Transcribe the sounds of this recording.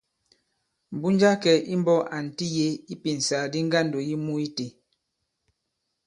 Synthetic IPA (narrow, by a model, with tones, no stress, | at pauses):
m˨bu˦n˦d͡ʒa˦kɛ˨ʔi˦m˦bɔ˦ʔa˨n̩˨ti˦je˦i˦pi˨n̩˨saː˨di˦ŋ˦ɡa˦ndo˨ji˦mu˦i˦te˨